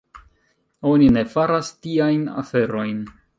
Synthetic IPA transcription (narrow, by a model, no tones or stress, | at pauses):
o̞nine̞faɾastiajna̰fe̞ɾo̞jn